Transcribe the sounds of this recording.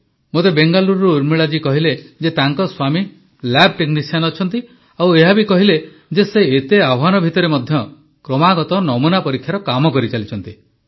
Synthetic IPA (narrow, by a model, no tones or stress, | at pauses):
mot̪ebeŋɡaluɾɾuuɾmiɭad͡ʒikɔɦiled͡ʒet̪aŋkɔswami | lab̚ʈeknisijanɔt͡ʃʰɔnt̪i | aweɦabikɔɦile | d͡ʒeseet̪eabʱanɔbʱit̪ɔɾemɔd̪ʱjɔ | kɾɔmaɡɔt̪ɔnɔmunapɔɾikʰːjaɾɔkamɔkɔɾit͡ʃalit͡ʃʰɔnt̪i